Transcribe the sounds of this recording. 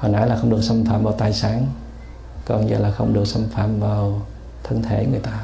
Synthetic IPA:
ho˨˩nʔa̰˧˦laː˨˩xə˧wŋ͡mɗɨ˨˩k̚sə˧mfaː˧˩mvaː˨˩t̪aː˨˩jsaː˨˦n | kɔ˨˧˩ɲɨ̰˧˩laː˨˩xə˧wŋ͡mɗɨ˨˩ək̚sə˧mfaː˧˩mvaː˨˩w | t̪ʰə˧ŋt̪ʰe˧˩˦ŋɨ˨˩əjt̪aː˧

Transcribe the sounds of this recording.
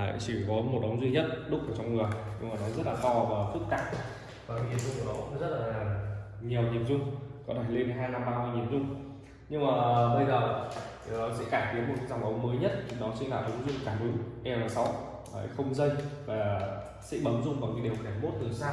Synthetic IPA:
a˨˧˨t͡ɕi˧˩kɔ˨˦mo˨˩t̚ɗə˨˦wŋ͡mzwi˧ɲə˦˥t̚ɗʊ˦˥k͡p̚ʔəː˧˩t͡ɕɔ˧wŋ͡mŋɨ˨˩əjɲɨ̰˧ŋmaː˨˩nɔ˨˦zə˦˥t̚laː˨˩t̪ɔ˧vaː˨˩fɨ˦˥k̚t̪a̰ː˧˨˩p̚ | vaː˨˩kɲi˨˩əmzʊ˧ŋ͡mku˧˩ɗɔ˨˦kʊ̰˧˥˦ŋ͡mzə˦˥t̚laː˨˩ | ɲi˨˩əwɲi˨˩əmzʊ˧ŋ͡mkɔ˨˦t̪ʰe˧˩le˧nɦaː˧jna˧mɓaː˧mɨ˧jɲi˨˩əmzʊ˧ŋ͡m | ɲɨ˧ŋmaː˨˩ɓə˧jzəː˨˩˨ | sɛ̰˧˥kaː˧˩jt̪ʰi˨˦ənmo˨˩t̚kza˧wŋ͡mʔə˨˦wŋ͡mməː˨˦jɲə˦˥t̚t͡ɕʊ˨˦ŋ͡mɗɔ˨˦sɛ̰˧˥nlaː˨˩ɗə˨˦ŋ͡mzi˧m̚˨˩kaː˧˩ɗʊ˨˦ŋ͡mʔɛ˧mlaː˨˩sa˨˦w | a̰ː˧˨˦jxə˧wŋ͡mzə˧jvaː˨˩ | sɛ̰˧˥ɓə˨˦nzʊ˧ŋ͡mvaː˨˩ki˨˦ɗi˨˩əwxaː˧˩mo˦˥t̚t̪ʰɨ˨˩əsaː˧

